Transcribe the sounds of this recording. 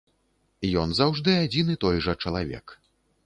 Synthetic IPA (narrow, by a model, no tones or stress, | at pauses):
jɔnzawʐd̪ɨad͡zʲinɨt̪ɔjʐɐt͡ʂɐlˠavʲɛ̰k